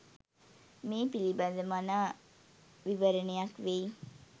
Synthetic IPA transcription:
meːpilibadəmanaː | ʋiʋəɾənejakʋe

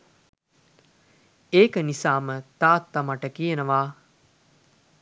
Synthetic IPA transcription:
eːkənisaːmət̪aːt̪ːamaʈəkijənəʋaː

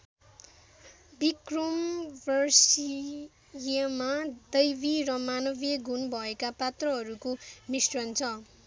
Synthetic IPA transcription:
bikrombʱʌrsi | jʌmad̪ʌjbiɾʌmanʌbjʌɡʱunbʱʌekapat̪rʌɦʌɾukomisrʌnt͡sʰʌ

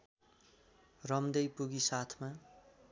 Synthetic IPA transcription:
rʌmd̪ʌjpuɡisat̪ʰma

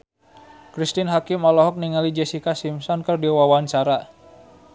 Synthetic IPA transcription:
kɾist̪ɪnɦakɪmalɔɦɔk̚niŋalid͡ʒesikasimsɔnkərdiwawant͡ʃaɾa

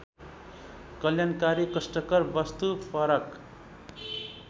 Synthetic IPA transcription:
kʌljankaɾikʌsʈʌkʌrbʌst̪upʰʌɾʌk

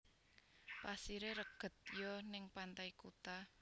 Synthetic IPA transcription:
pasiɾeɾəɡ̥ə̤t̪̚jɔnɪŋpant̪aikut̪a

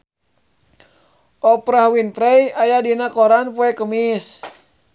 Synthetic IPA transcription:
ɔpɾahwinpɾɛjajadinakɔɾanpuɛkəmis

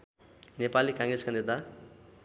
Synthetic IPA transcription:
nepalikãŋɡɾeskanit̪a

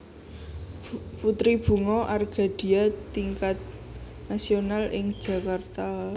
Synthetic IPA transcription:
put̪ɾib̥ṳŋɔʔarɡ̥a̤d̥i̤at̪iŋkat̪̚ | nasionalʔɪŋ̥ʒ̥ä̤kart̪a

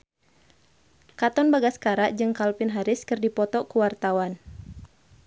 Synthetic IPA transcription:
kat̪ɔnbaɡaskaɾaʔd͡ʒɨŋkalpɪnɦaɾɪskɨrdipɔt̪ɔkuwart̪awan

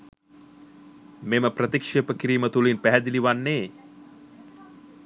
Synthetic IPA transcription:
meməprət̪ikʂepəkiɾiːmət̪ulinpæɦæd̪iliʋanːeː

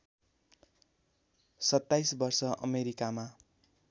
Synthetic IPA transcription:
sʌt̪ːajsbʌrsʌʔʌ̰meɾikama

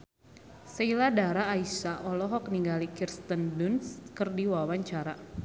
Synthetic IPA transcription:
səiladaɾaːisaʔɔlɔɦɔk̚niŋɡalikirst̪əndunskərdiwawaɲt͡ʃaɾa

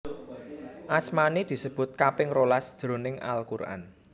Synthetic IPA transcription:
ʔasmanid̪̥i̤səb̥ʊ̤t̪̚kapɪŋrolasd̥ʒ̥ɾo̤nɪŋa̰lkurʔa̰n

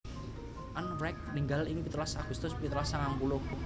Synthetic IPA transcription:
ʔanfɾɛk̚niŋɡalinipit̪lasaɡ̥ust̪ʊspit̪əɾlasaŋampuloku

